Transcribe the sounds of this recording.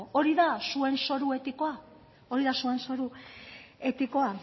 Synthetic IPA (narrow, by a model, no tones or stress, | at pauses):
oɾiðasue̞nso̞ɾue̞t̪ikoa | o̞ɾiðasue̞nso̞ɾu | e̞t̪iko̞a